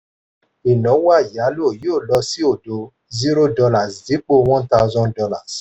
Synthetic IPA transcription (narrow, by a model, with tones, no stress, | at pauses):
i˨nɔ̃˨˦wa˦˨ja˨˦lo˦˨joː˦˨lɔ˧si˦o˦˨do˨ | zi˦ɾo˦dɔ˧la˨sdi˨˦k͡po˦w̃ɔ̃˦ta˧˦˧zɔ̃˦ndɔ˧la̰˦˨s